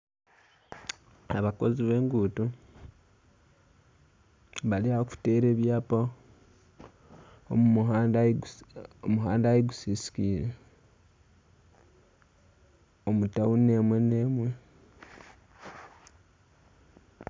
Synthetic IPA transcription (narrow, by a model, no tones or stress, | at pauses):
aβako̞ziβe̞ːŋɡuːtu | βaliaoku̥te̞ːɾe̞ːβjaːpo | o̰mua | omuɦaːndajeɡusisi̥kiːɾe | omutawune̞mwe̞ne̞mwe̞